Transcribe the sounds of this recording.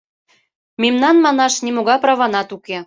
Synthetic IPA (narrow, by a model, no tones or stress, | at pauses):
memnɑnmɑnɑʃnʲimoɣɑprɑβɑnɑt̪uke